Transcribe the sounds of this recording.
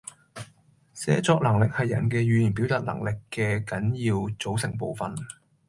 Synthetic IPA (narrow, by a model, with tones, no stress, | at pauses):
sɛ̰ː˨˥t͡sɔː˧k̚lɐ˨˩ŋlɪ˨k̚hɐ˨jːɐ̰˨˩nkɛː˧ɥyː˨jiː˨˩np̬i˨˥wt̪aː˨˩t̚lɐ̰˨˩ŋlɪ˨kːɛː˧kɐ˨˥njiː˧wt͡so˨˥wsɪ˨˩ŋpo˨wfɐ˨n